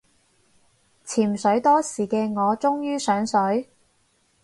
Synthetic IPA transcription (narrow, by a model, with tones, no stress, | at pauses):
t͡sʰiː˨˩msɵ˨˥ɥt̪ɔː˥siː˨˩kɛː˧ŋɔː˨˧t͡sʊ˥ŋjyː˥sœː˨˥ŋsɵ˨˥ɥ